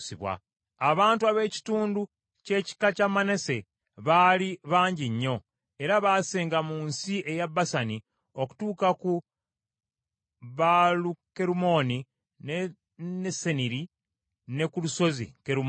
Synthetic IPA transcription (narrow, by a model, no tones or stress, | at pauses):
siβwa̰ː | βaːntuaβe̞ːci̥tuːndu | ce̞ːci̥kacamane̞se̞ | βaːliβaːɲɟiɲːo̞ | e̞ɾaβaːseːŋɡamuːnsiʔe̞jabːasani | o̞ku̥tuːkaku | βaluke̞ɾumo̞ni | ne | neseniɾi | ne̞kuluso̞zḭkeɾum